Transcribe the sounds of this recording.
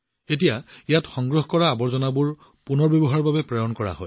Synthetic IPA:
etijaijatxɔŋɡɹɔɦkɔɹaːbɔɹzɔnabuɹ | punɔɹbjɔbɔɦaɹbabɛpɹɔjɔnkɔɹa̰ɦɔ̰j

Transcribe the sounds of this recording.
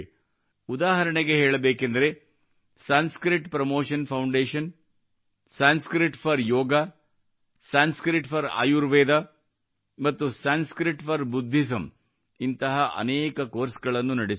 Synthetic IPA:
ud̪aːɦɐɾɐɳeɡe̞ɦeːɭɐbeːkend̪ɐɾe | saːnskɾiʈpɾɐmoːʂɐnpʰɐwɳɖeːʃɐn | saːnskɾiʈpʰɐɾjɔːɡa | saːnskɾiʈpʰɐɾa̰ːjuɾʋeːd̪a | mɐt̪ːusaːnskɾiʈpʰɐɾbud̪ʱːis̬ɐm | int̪ɐɦɐʔɐ̰neːkɐkoːɾsɡɐɭɐnːunɐɽis

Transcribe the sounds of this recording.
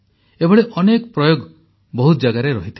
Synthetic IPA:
ebɔɭeʔɔnekɔpɾɔjoɡ | bɔɦut̪d͡ʒaɡaɾeɾɔɦit̪ʰi

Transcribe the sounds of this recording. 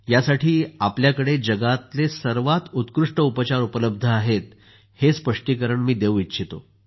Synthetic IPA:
jasaʈʰiːapljakəɽed͡ʑəɡat̪lesəɾʋat̪ut̪kɾuʂʈəupət͡ɕaɾupələb̚d̪ʱəaɦet̪̚ | hespəʂʈiːkəɾəɳmiːd̪eʋʋitːɕʰit̪o̰

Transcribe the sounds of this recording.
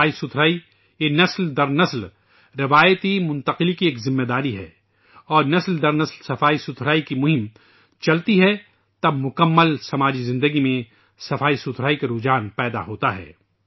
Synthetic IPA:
aːisʊt̪ʰɾaːi | jenɐsld̪ɐɾnɐsl | ɾɪʋaːjt̪imʊ̃nt̪əqɪlikieːkzɪmːed̪aːɾiɦɛ̰ː | ɔːɾnɐsld̪ɐɾnɐslsɐfaːisʊt̪ʰɾaːikimʊɦɪ̃m | t͡ʃɐlt̪iɦɛ | t̪ɐbmʊkəmːəlsɐmaːd͡ʒizɪ̃nd̪əɡimẽ | sɐfaːisut̪ʰɾaːikaɾuːd͡ʒaːnpɛːd̪a̰ɦoːt̪aɦɛ̰ː

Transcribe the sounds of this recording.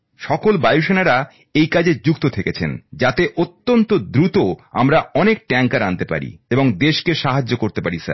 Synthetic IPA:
ʃɔkolbajuʃenaɾa | ejkad͡ʑed͡ʑuk̚t̪ot̪ʰeket͡ɕʰḛnd͡ʑat̪eʔot̪ːont̪od̪ɾut̪oa̰mɾaɔnek̚ʈɛŋkaɾant̪epa̰ɾḭeboŋd̪eʃkeʃaɦad͡ʑːokoɾt̪epaɾisa̰ɾ

